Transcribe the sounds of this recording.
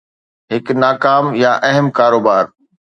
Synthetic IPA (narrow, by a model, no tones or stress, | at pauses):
ɦɪknaːkaːmjaʔɛɦəmkaːɾoːbaːɾ